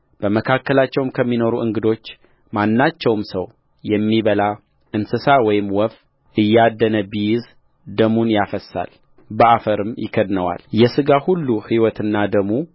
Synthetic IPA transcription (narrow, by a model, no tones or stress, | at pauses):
b̥əməkʰakːəlat͡ʃːɛwmkʰəmːino̞ɾuʔɨŋɡɨd̪o̞t͡ʃː | manːat͡ʃːɛwmsəw | jɛmːiβəla | ʔɨnsɨsawɔjɪmwɔf | ʔɨjːad̪ːənəbijz | d̪əmunjafəsːa̰l | bəafəɾɨmjɪ̰kʰəd̪nəwa̰ljɛsɨɡahulːuhiwɔt̪ɨnːad̪əmu